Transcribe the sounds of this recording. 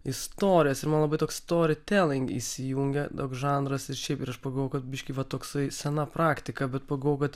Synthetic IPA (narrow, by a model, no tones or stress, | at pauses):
ɪst̪oːɾʲɪjɛsɪɾmɐnlˠɐbɐɪt̪oːkst̪oːɾʲɪt̪ʲɛlʲɪŋɡḭsʲɪjuːŋʲɡʲɛd̪oːksʒɑːnɾɐsɪɾʃʲɛɪpɪɾɐʃpɐɡɐlˠʋoːʊkɐt̪̚bʲɪʃʲkʲɪʋɐt̪oːksɐɪsʲɛnɐpɾɑːkt̪ʲɪkɐbʲɛt̪pɐɡɐlˠʋoːʊkɐt̪